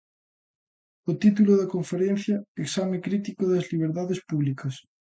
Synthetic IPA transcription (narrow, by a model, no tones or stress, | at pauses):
ot̪it̪̬uloðɐkoɱfeɾẽn̟θjɐeksamekɾit̪ikoðɐzliβ̞eɾðaðespuβlikɐs